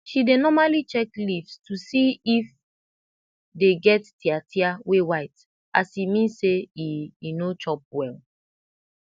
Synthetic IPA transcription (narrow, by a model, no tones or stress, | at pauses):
ʃidenɔmalit͡ʃɛklifstusiif | deɡɛttiatʰiawewaɪt | ʔasimĩnseiinot͡ʃɔp̚wɛl